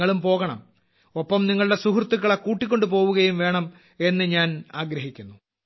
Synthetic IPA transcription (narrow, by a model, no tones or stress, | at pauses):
ɐɭumpo̞ːɣɐɳɐ̰m | opːɐmniŋːɐɭɨɽe̞suhrt̪ːukːɐɭekːuːʈːikʲːo̞ɳɖɨpo̞ːʋuɣɐjumʋe̞ːɳɐm | e̞nːɨɲaːnaːɡɾɐɦikʲːunːu